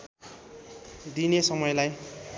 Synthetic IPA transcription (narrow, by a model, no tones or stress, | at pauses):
d̪inesʌmʌjlaj